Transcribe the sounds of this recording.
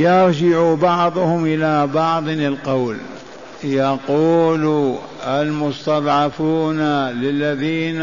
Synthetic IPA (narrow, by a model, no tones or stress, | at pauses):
jɑɾd͡ʒɪʕubɑʕðˤʊhʊmʔɪlabɑʕðˤnɪlqawl | jɑquːlu | almʊst̪ɑðˤʕɑfuːnalɪlːaðiːn